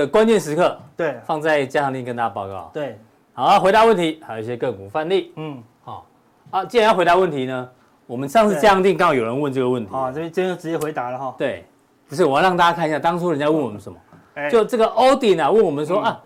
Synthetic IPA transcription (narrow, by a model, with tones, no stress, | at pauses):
ə˨˩kwa˦nt͡ɕjɛ˥˨nʂɻ̩˧˥kʰɤ˥˧˩t̪we˥˩fɑ˥˧ŋt͡sa˥˧ɪt͡ɕja˥ɑ˥˧ŋt̪i˥˨ŋkə˧nt̪a˧˥a˧pɑ˥˧ʊkɑ̰˥˩ʊ˨we˥˩ | xa˥˩xwe˧˥t̪a˧˦wə˥˨nt̪ʰi˨˧˥xa˨˧˥jo˨˩i˥˩ɕjɛ˧kə˥˩ŋku˨˩fa˥˧nli˥˨˩ | hɔ̰˥˩ | a˥˧t͡ɕi˥a˧njɑ˥˩xe˧˥ɪt̪a˧˦wə˥˩nt̪ʰi˨˧˦nə˧ | wɔ˨˩mə˦nʂɑ˥˧ŋʂɻ̩˥˨t͡ɕja˥ɑ˥˧ŋt̪̬i˥˧ŋkə˥ŋ˧˥˩jo˨˩ɻə˧˦nwə˥˧nʈ͡ʂɤ˥˩ɡə˩wə˥˩nt̪ʰə˥˩jn˥˧jɛ̃˥no˥˩ʈ͡ʂɻ̩˧˥t͡ɕjɛ˥˩xwe˧˥ɪt̪a˧˥lə˨˧xɔ˧˩t̪we˥˩ɪ | pu˧˥ʂ̬ɻ̩˥˩wjɻɑ˥˨ŋt̪a˥˧t͡ɕa˥kʰa˥˧ni˧˥ɕja˥˧˩t̪ɑ˥ŋt͡sʰu˥ɻə˧˥nt͡ɕja˧˦wə˥˨nwɔ˨˩mə˦nʂə˧˦mɐ̰˨ | t͡ɕjo˥˧ʊʈ͡ʂɤ˥˩ɡə˨˩ʔo˥ʊt̪i˨na˨˩wə˥˩nwɔ˨˩mə˨˦nʂ̬wɔ˥ʔa˥˩